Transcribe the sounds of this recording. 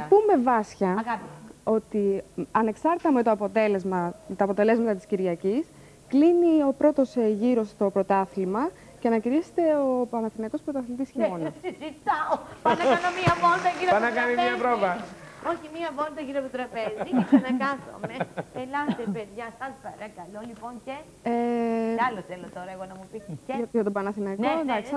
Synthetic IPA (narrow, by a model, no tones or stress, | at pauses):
pume̞vɐsçɐɐpo̞t̪iɐne̞ksɐɾt̪t̪ɐme̞t̪o̞ɐpo̞t̪e̞le̞zmɐt̪ɐːpo̞t̪e̞le̞zmɐt̪ɐt̪i̥sciɾʝɐcis | klinio̞pɾo̞t̪o̞sʝiɾo̞st̪o̞pɾo̞t̪ɐθlimɐ | ceɐnɐciɾise̥t̪e̞oɐnɐθiniɐko̞spɾot̪ɐθlit̪isçimonɐzit̪ɐopɐnɐɐnomiɐvond̪ɐʝiɾoɐnɐkɐniɲɐpɾovɐo̞çimiɐvond̪ɐʝiɾop̪ot̪ɾɐpe̞zinɐkɐθo̰meelɐft̪epeðʝɐsɐnd̪pɐɾɐkɐloliponce | eɐloθelot̪oɾɐeɣonɐmupiɐʝɐt̪opɐnɐθinɐknod̪ɐks